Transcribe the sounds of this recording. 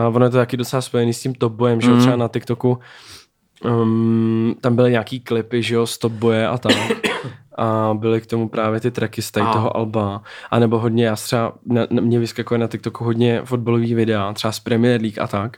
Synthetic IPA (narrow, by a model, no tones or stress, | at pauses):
avonojɛt̪ot̪akɪdo̞t͡sɛlaspo̞jɛniːscɪmt̪op̚bojɛmʒɛor̥ɛbanat̪ɪkt̪o̞ku | t̪ambɪlɪɲaːkiːklɪpɪʒɛjost̪op̚bojɛʔat̪amʔabɪlɪkt̪o̞mupɾʔaːvjɛt̪ɪt̪ɾɛkɪst̪ajt̪oɦoʔalbaʔanɛbo̞ɦodɲɛjaːst̪r̥ɛanɛmɲɛvɪskakojɛnat̪ɪk̚t̪okuɦodɲɛfod̪̚baloviːvɪdɛat̪r̥ɛaspɾɛmɪjɛɾliːka̰t̪ak